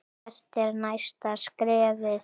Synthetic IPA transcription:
st̪ɛɾnajst̪askɾɛːvɪ

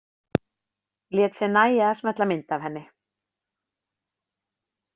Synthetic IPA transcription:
ljɛːt̪sjɛnaːjaasmɛt̪lamɪnt̪avhɛnːɪ

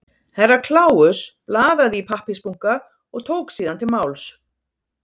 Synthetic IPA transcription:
hɛrːakʰlaːwʏsplaːðaðipʰahpɪspuŋ̥ka | ɔɣt̪ʰoːwksiːðant̪ɪmaːwls

